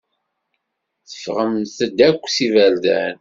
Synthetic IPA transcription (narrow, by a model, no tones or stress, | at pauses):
θə̥fʁəmθəd̪ækʷːsivæld̪æ̰n